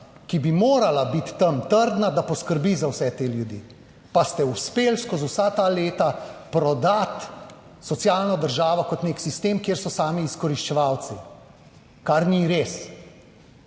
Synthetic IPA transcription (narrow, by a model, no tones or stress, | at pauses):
kibimoːɾalabit̪ːəmt̪əɾd̪nad̪apɔskəɾbizawsɛt̪eljud̪ḭ | past̪ɛuspelskɔzuwsat̪aleːt̪apɾɔd̪at̪ | sɔt̪sjaːlnɔd̪əɾʒaːʋɔkɔt̪neːksist̪eːmkjeːɾsɔsaːmiːskɔɾiʃt͡ʃɛʋawt̪si | kaɾniɾes